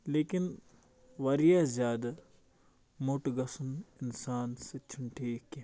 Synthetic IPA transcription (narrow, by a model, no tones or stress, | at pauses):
leːkɪn | ʋɐɾijazjaːd̪a | moʈɡɐsənɪnsaːnset͡ʃʰʊɳʈʰiːkẽ